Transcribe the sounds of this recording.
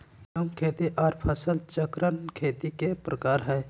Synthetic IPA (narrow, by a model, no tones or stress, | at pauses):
jəmkʰeːt̪iʔɔːɾpʰəsəlt͡ʃəkɾənkʰeːt̪ikepɾəkaːɾɦɛː